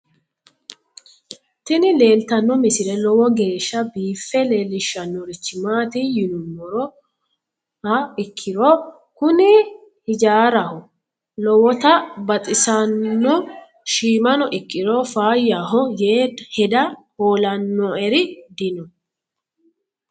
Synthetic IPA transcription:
t̪ɪnɪle̞ːlt̪ɐnːɔmɪsɪɾɛlɔwɔɡe̞ːʃːɐbiːfːɛle̞ːlɪʃːɐnːɔɾɪt͡ʃːɪmaːt̪ijɪnʊmːɔɾɔ | ɐɪkʰːɪɾɔ | kʊnɪ | hɪd͡ʒaːɾɐhɔ | lɔwɔt̪ɐbɐt̪ʼɪsɐnːɔ | ʃiːmɐnɔʔɪkʼːɪɾɔfaːjaɦɔjeːhɛd̪ɐhoːlɐnːɔɛɾɪd̪ɪnɔ

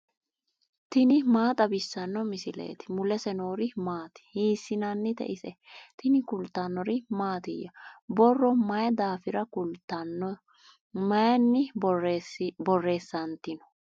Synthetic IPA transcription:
t̪ɪnɪmaːt̪ʼɐbɪsːɐnːɔmɪsɪlḛːt̪ɪ̥mʊlɛsɛno̞ːɾɪmaːt̪ɪ̥hiːsːɪnɐnːɪt̪ɛ̰ʔɪsɛt̪ɪnɪkʊlt̪ːanːɔɾɪmaːt̪ɪjːɐbɔrːɔmɐjɛd̪aːfɪɾɐkʊlt̪ːɐn | mɐjɐnːɪ | bɔrːe̞ːsːɐnt̪ːɪnɔ̥

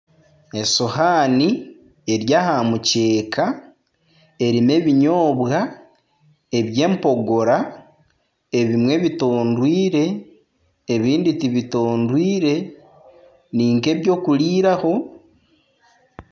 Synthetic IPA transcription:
e̞sohaːni | eɾjahamuce̞ːkʰa | e̞ɾime̞βiɲo̞ːβɣa | eβje̞ːmpo̞ɡo̞ɾa | e̞βimwe̞βito̞ːndwiːɾe̞ː | βiːnditiβito̞ːndwiːɾe̞ | niːŋke̞βjo̞ːkuliːɾaho̞

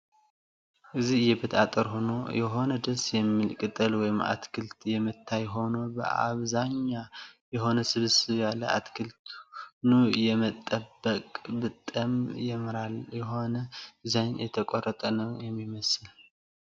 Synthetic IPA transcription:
ʔɨzihɨjɛbət̪ʰʼat̪ʼəɾhono̞jɛɦo̞nəd̪əsjɛmːilkʼɨt̪ʼɨlwɔjɪma̰t̪kʰɨlt̪jɛmɨt̪ʰːajɦo̞no̞bə̰ʔa̰βzaɲːajɛɦo̞nəsɨβɨsɨjalːəa̰t̪kʰɨlt̪ʰnujɛmət̪ʼːəbːəkʼbɨt̪ʼːəmjɛmɾaljɛɦo̞nəzaɲjɛt̪ʰəkʼorət̪ʼənəwjɛmːiməsɨl

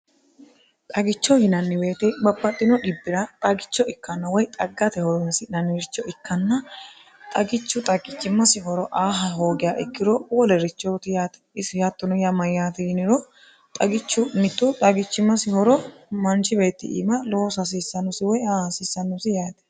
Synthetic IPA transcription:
t̪ʼɐɡɪt͡ʃːɔhɪnɐnːɪbe̞ːt̪ɛbɐbːɐt̪ʼːɪnɔᶑɪbːɪɾɐt̪ʼɐɡɪt͡ʃːɔɪkːɐnːɐwɔjt̪ʼɐɡːɐt̪ɛhɔɾɔnsɪnɐnːɪɾɪt͡ʃːɔɪkːɐnːɐ | t̪ʼɐɡɪt͡ʃːʊt̪ʼɐɡɪt͡ʃːɪmːɐsɪhɔɾɔʔaːɦɐɦoːɡɪjaːʔɪkːɪɾɔwɔlɛɾɪt͡ʃːɔt̪ɪjaːt̪ɛɪsɪjaːt̪ːɔnɔjɐmɐjːaːt̪ɪɪnɪɾɔ | t̪ʼɐɡɪt͡ʃːʊmɪt̪ːʊt̪ʼɐɡɪt͡ʃːɪmːɐsɪhɔɾɔmɐnt͡ʃɪbe̞ːt̪ːɪ̰ʔḭːmɐloːsɐs̬isːɐnːʊsɪwɔjasiːsːɐnːɔsɪjaːt̪ɛ̥

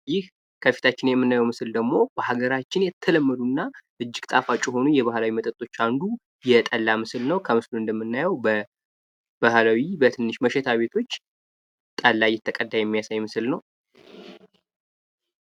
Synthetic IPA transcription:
jɪh | kʰəfi̥t̪ʰat͡ʃːɪnjɛmːɨnːajɛwmɨsɨld̪əɡmo̞bəhaɡəɾat͡ʃːɪnjɛt̪ʰːələmːəd̪unːaʔɨd͡ʒːɪɡt̪ʼafat͡ʃʼːɛɦo̞nujɛβahlawimət̪ʼət̪ʼo̞t͡ʃːand̪u | jɛt̪ʼəlːamɨsɨlnəwkʰəmɨsluɨnd̪əmːɨnːajəwbə | b̥ahlawibət̪ʰɨnːɨʃməʃɛt̪ʰaβe̞t̪ʰo̞t͡ʃː | t̪ʼalːajɛt̪ʰːəkʼəd̪ːajɛmːijasajɛmɨsɨlnəw

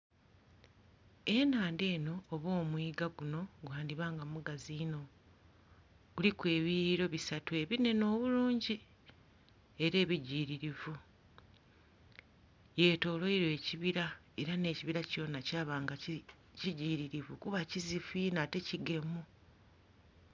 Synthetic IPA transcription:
e̞naːnde̞ːno̞ːβo̞ːmwiːɡaɡuno̞ɡwaːndiβaːŋɡamuɡaziːno̞ | ɡ̥ulikwe̞ːβiiɾo̞βisatue̞βine̞no̞ːβuluːɲɟi | e̞ɾe̞ːβiɟiːɾiɾivu | je̞ːto̞ːlo̞iɾwe̞ːciβiɾa | eɾane̞ːciβiɾaco̞ːnacaːβaːŋɡa | ciɟiːɾiɾivukuβacizifinate̞ciɡe̞mu

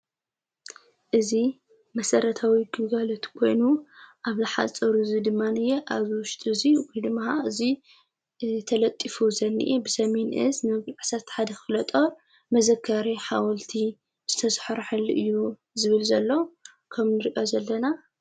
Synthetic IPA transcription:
ʔɨzi | mɐsɐɾɐt̪ʰawiɡɨɡalo̞t̪kʰo̞jnuʔaβlɨħa̰t͡sʼɐɾuzid̪ɨmːanɨjeʔaβwʊʃt̪ʼziwɔjd̪ɨmːahaʔɨzi | t̪ʰɐlɐt̪ʼːifuzɐnːḭʔebɨsɐme̞nʔɨznɐɡlʕsat̪ħad̪ɐxɨlɐt̪ʼo | mɐzɐkʰːaɾiħawɔlt̪ʰi | z̥ɨt̪ʰɐsħɾħɨlːɨʔɨjːu | zɨβɨlzɐlːo | kʰɐmnɨɾiʔozɐlːɐna

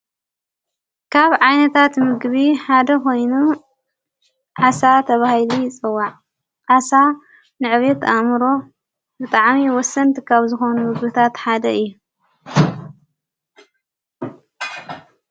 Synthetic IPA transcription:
kʰaβʕajnɐt̪ʰat̪mɨɡβiħad̪ɐko̞jnu | ʕasat̪ʰɐβahilijɪt͡sʼɨwːaʕ | ʕasa | nɨʕβet̪ʔamɾo̞ | bɨt̪ʼaʕmiwɔsɐnt̪ʰikʰaβzɨxonumɨɡbɨt̪ʰat̪ħad̪ɐɨjːu

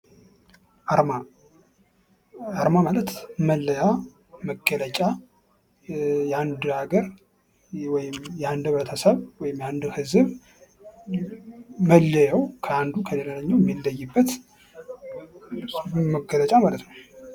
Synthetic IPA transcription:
ma | aɾmamalət̪məlːəja | məɡːələt͡ʃʼa | jɛand̪aɡəɾ | wɔjɪmjɛand̪βəɾət̪ʰəsəβwɔjɪmjand̪hɨzɨβ | məlːəjəwkʰəand̪ukʰəlelaləɲːəwjɛmːilːəjːɪbːət̪ | məɡələt͡ʃʼamalət̪nəw

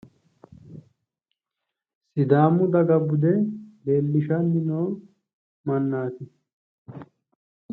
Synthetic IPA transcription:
sɪd̪aːmʊd̪ɐɡɐbʊd̪ɛbeːlːɪʃɐnːɪnoː | mɐnːaːt̪ɪ

